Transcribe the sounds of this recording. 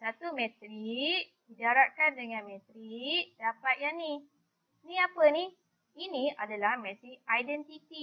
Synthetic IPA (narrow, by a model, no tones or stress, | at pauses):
sat̪umɛ̃t̪ɾiʔdidaɾaʔkandəŋanmɛ̃t̪ɾiʔdapat̪̚jani | nĩapəni | inĩʔadalahmɛ̃t̪iajdɛnt̪it̪i